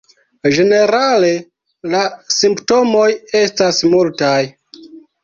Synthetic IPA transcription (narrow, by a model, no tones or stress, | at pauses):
d͡ʒe̞ne̞ɾale̞ | lasimpto̞mo̞je̞stasmultaj